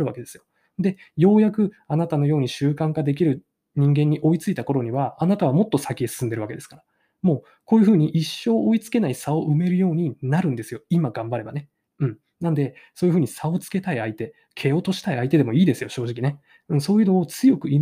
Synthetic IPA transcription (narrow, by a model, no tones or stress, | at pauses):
ɾɯ̟βake̞d̪e̞sɨjo̞̥ | d̪e̞ | jo̞ːjakɯ̟ | anat̪ano̞jo̞ːɲ̟iɕɨːkãŋkad̪e̞k̬ʲiɾɯ̟ | ɲ̟ĩŋɡẽ̞ɲ̟ːiʔo̞it͡sɨit̪ako̞ɾo̞ɲ̟iβaːnat̪aβ̞amo̞t̪ːo̞sakʲiesɨ̥sɨ̃nd̪e̞ɾɯ̟βaked̪esɨ̥kaɾa | mo̞ː | ko̞ːjɯ̟ɸɯ̟ːɲ̟iʔiɕːo̞ːʔoit͡sɨ̥ke̞naisao̞ʔɯ̟me̞ɾɯ̟jo̞ːɲ̟inaɾɯ̟̃nd̪e̞sɨjo̞imaɡãmbaɾe̞ba̰ne̞ | ɯ̟̃ɴ | nãnd̪e̞ | so̞ːjɯ̟ɸɯ̟ːɲisao̞t͡sɨ̥ke̞t̪aiait̪e̞ | kʰe̞o̞t̪o̞ɕi̥t̪aiait̪e̞d̪e̞mo̞iːd̪e̞sɨjo̞ɕo̞ːʑikʲine | ɯ̟̃so̞ːjɯ̟no̞ːt͡sɨjo̞kɯ̟i